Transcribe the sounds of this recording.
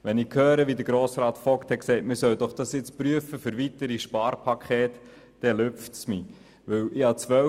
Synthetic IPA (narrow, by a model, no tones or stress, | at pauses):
ʋɛnɪkʰhœːɾəʋid̪əɾɡ̥ɾoːsɾɑːt̪fɔlkt̪hɛtksɛɪtmɪsœwd̥̪ɔχd̥ɑsjɪt͡spɾyəfəfʏɾʋitəɾiʃpɑːɾpʰɑkʰχeːtː | ɛløftsmi | ʋɵwɪhɑt͡sʋœ